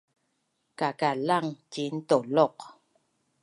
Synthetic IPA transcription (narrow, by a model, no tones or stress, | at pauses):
kakalaŋt͡ʃin̩tolɔk